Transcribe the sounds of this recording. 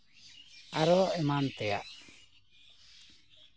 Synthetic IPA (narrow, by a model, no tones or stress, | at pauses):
aɾɔɛmant̪ɛja̰ʔ